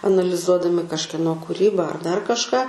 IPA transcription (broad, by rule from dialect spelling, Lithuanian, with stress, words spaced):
ɐnɐlʲɪˈzuɔdɐmʲɪ kɐʃʲkʲiɛˈnoː kʊˈrʲiːbɐ ɐr dɐr kɐʃˈkɑː